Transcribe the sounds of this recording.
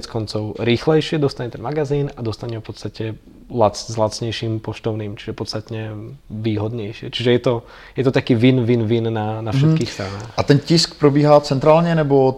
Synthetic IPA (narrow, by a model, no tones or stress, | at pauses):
t͡skɔnt͡sɔʊɾiːxlɛjʃɪɛd̪ɔst̪aɲɛt̪ɛnmaɡaziːnad̪ɔst̪aɲɛfpɔt̪st̪acɛ | lat͡szlat̪t͡sɲɛjʃiːmpɔʃt̪ɔʊniːmt͡ʃi̥ʒɛpɔt̪st̪at̪ɲɛʋiːɦɔd̪ɲɛjʃɪɛt͡ʃiʒɛjɛt̪ɔ | jɛt̪ɔt̪akiːʋinʋinʋinːanaffʃɛkiːxst̪ɾanaːxat̪ɛnciskpɾɔbiːɦat͡sɛnt̪ɾaːlɲɛnɛbɔ